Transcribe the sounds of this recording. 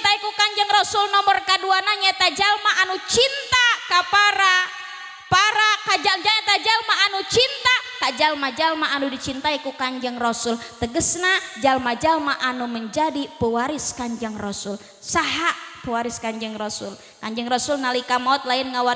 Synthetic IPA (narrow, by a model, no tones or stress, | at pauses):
t̪aikukaɲd͡ʒəŋrosʊlnɔmɔrkaduanaɲait̪ad͡ʒalmaʔːnut͡ʃint̪akapaɾa | paɾakad͡ʒad͡ʒaŋat̪ad͡ʒalmaːnut͡ʃint̪akad͡ʒalmad͡ʒalmaanudit͡ʃint̪aikukaɲd͡ʒaŋrosʊlt̪əɡəsnad͡ʒalmad͡ʒalmaʔanuməɲd͡ʒadipəwaɾɪskaɲd͡ʒaŋrosʊl | saɦaʔpəwaɾɪskaɲd͡ʒaŋrosʊ̰l | kaɲd͡ʒaŋɾosʊlnalikamaɔt̪̚laɪnŋawa